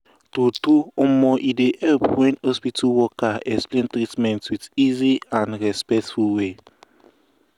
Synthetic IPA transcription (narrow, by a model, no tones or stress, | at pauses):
totuɔmɔʔidehɛlpwɛ̃nɔspitʰuwɔkaɛksplẽntɾitmɛ̃ntwidiziãnɹɛspɛk̚tfulwe